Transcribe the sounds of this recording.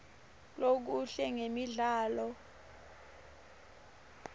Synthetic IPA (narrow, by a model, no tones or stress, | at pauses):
lok̬uɬɛŋemiɮaːlɔ